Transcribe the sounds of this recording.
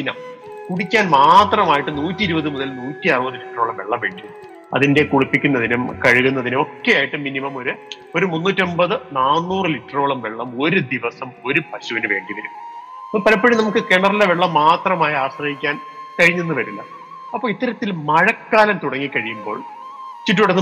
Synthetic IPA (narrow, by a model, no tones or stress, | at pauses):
inɐ̰m | kuɽikʲːaːnmaːt̪rɐmaːjiʈːɨnuːtːiɾubɐðɨmuðɐlnuːtːiɐrɨbɐðɨliʈɐro̞ːɭɐmʋeɭːɐmʋeːɳɖi | ɐ̰ðinde̞kuɻipːikʲːunːɐðinumkɐɻuɣunːɐðinɨo̞kːejaːjiʈːɨminimɐmo̞ɾu | o̞ɾumunːuːtːombɐðɨnaːnːuːrɨliʈːɐro̞ːɭɐmʋeɭːɐmo̞ɾud̪iʋɐsɐmo̞ɾupɐɕuʋɐnɨʋe̞̰ːɳɖiʋɐɾum | ɐpːopɐlɐpːɐɻinɐmukːɨkeɳɐrileʋeɭːɐmːaːt̪rɐmaːjiaːɕrɐhikʲːaːnkɐɻiɲːunːɨpɐɾilːɐ̰ | ɐpːoɭit̪ːɐɾɐt̪ːilmɐɻɐkːaːlɐmt̪uɽɐŋːikːɐɻijumbo̞ːɭ | t͡ɕːiʈ̬ːuɽɐ